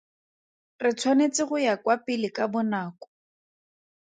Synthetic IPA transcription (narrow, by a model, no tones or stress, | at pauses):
rɪt͡sʰwanet͡sɪɣʊjakwapɪlɪkabʊnaːkɔ̥